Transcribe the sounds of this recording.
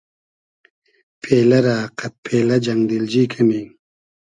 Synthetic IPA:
pʰeːlɐɾaːqat̪̚pʰeːlɐd͡ʑaŋd̪ild͡ʑiːkʰamiŋ

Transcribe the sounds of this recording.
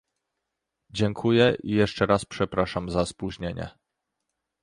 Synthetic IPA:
d͡ʑɛŋkʰujɛʔijɛʂt͡ʂɛɾaspʂɛpɾaʂamzaspuʑɲeɲɛ̰

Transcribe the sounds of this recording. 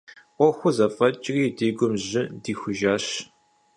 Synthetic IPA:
qʷɔxʷʊzɐfɐt͡ʃʼriːdiːɡʷʊmʑɪdiːxʷʊʒaːɕ

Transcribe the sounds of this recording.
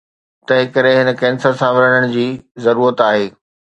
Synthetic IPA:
t̪ɐɦɪ̃kɐɾɪɦɪnə̆kɛ̃ːnsəɾsãʋɐɾəɽəɽ̃̆d͡ʑiːzɐɾuːɾət̪aːɦeː

